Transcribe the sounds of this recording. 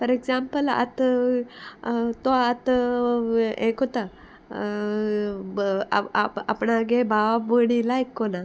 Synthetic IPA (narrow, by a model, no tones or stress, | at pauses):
pəɾeɡzãmpəla̰t̪ | t̪oat̪ | ẽkot̪a | aa̰pɳaɡebʱaʋaməɽilajkːɔna